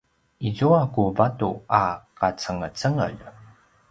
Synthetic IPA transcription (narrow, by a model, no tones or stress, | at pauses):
izuakuvatuakat͡səŋət͡səŋə̰ʎ